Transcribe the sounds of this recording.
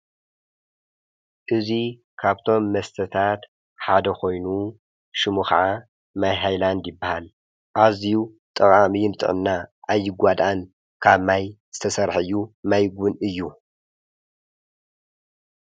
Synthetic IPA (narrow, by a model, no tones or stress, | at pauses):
ʔɨzi | kʰaβt̪ʰo̞mːɐst̪ʰɐt̪ʰat̪ | ħad̪ɐkʰo̞jnu | ʃɨmuxa̰ʕa | majɦajland̪jɪbːahal | ʔaziu | t̪ʼɐkʼamijɪnt̪ʼɨ̰ʕɨnːaʔajːɪɡʷad̪an | kʰaβmajz̥ɨt̪ʰɐsɐɾħɨɨjːumajɡʷʊnɨjːu